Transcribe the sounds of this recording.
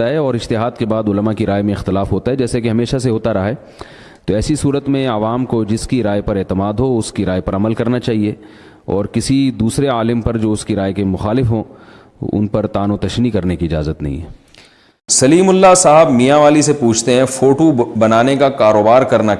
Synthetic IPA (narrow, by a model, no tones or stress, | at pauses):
aɦɛɔːɾɪd͡ʒt̪ɪɦaːd̪kebaːd̪ʊləmakiɾaːjmẽɪxt̪ɪlaːfɦoːt̪aɦɛd͡ʒɛːsekeɦɐmeːʃaseɦoːt̪aɾɐɦaɦɛ | t̪oɛːsisuːɾət̪mẽɐʋaːmkod͡ʒɪskiɾaːjpɐɾeːt̪ɪmaːd̪ɦoʊskiɾaːepɐɾɐməlkɐɾnat͡ʃaːɦie | ɔ̰ːɾkɪsid̪uːsɾeaːlɪmpɐɾd͡ʒoːʊskiɾaːekemʊxaːlɪfɦõ | ʊ̰npɐɾt̪aːnot̪ɐʃnikɐɾnekiɪd͡ʒa̰ːzət̪nɐ̰ɦḭ̃ɦɛː | sɐliːmʊlːasaːɦəbmijaʋaːlisepuːt͡ʃʰt̪eɦɛ̃foːʈobɐnaːnekakaːɾoːbaːɾkɐɾna